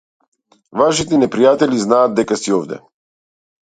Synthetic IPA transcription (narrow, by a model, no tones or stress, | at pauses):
vaʃit̪ɛnɛpɾijat̪ɛliznaːd̪̚d̪ɛkasiɔvd̪ɛ̰